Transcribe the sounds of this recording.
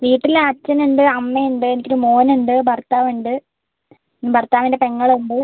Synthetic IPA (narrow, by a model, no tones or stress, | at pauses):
ʋiːʈːilat͡ɕːɐnuɳɖɨɐmːeuɳɖɨe̞nikʲːoɾumo̞ːnuɳɖɨbɐrt̪aːʋiɳɖɨ | bɐrt̪aːʋinde̞pe̞ŋːɐɭumbo